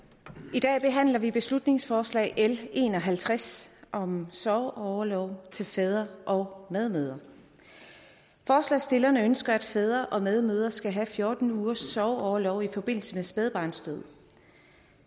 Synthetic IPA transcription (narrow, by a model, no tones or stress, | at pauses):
id̥ɛ̰ːb̥e̝ɦæn̰lɐʋib̥e̝slud̥ne̝ŋsfɒːslɛ̰ːɪʔele̝ːnɒ̽ɦælt͡sʰʁasʔɒ̽msɒʊɒʊɐlɒʊt͡sʰe̝lfɛð̞ˠɐʔɒ̽ʊmeð̞ˠmøð̞ˠɐ | fɒːslɛɪsd̥e̝lɐnəønsɡ̥ɐæd̥fɛð̞ˠʁɐʔɒ̽með̞ˠmøð̞ˠɐsɡ̥æɦæfjo̝ːd̥n̩uːɐsːɒʊɒʊɐlɒʊifɒ̽b̥e̝n̰l̩səmesb̥eðˠb̥ɑ̈ːnsd̥øð̞̰ˠ